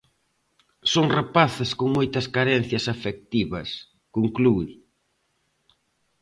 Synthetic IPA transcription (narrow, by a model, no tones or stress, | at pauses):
soŋrapaθɪskoŋmojt̪ɐskaɾɛnθjɐsafek̚t̪iβɐs | koŋklu